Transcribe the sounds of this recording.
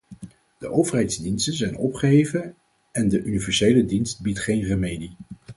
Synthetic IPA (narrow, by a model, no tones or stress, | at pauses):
d̥əʔowvəɹɦɛjdzdinstənzɛjnɔpχəɦejvən | ɛndəʔynivɛɹsejlədinst̚bitχejnrəmejdi